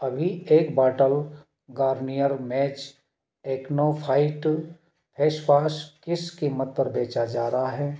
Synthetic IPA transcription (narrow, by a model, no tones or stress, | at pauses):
ɐbʱieːkbaːʈəl | ɡaːɾnijəɾmɛːt͡ʃ | eːknopʰaːɪʈ | pʰeːʃwaːskɪskimət̪̚pɐɾbeːt͡ʃad͡ʒaːɾaɦaɦɛː